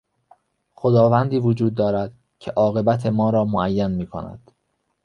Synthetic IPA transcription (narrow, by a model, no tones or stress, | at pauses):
xod̪ɒːvænd̪iːvod͡ʒuːd̪̚ːɒːɾæd̪̥ | cʰeʔɒːɣe̞bæt̪ʰe̞mɒːɾɒːmoæjːænmiːkʰo̰næ̰d̪̥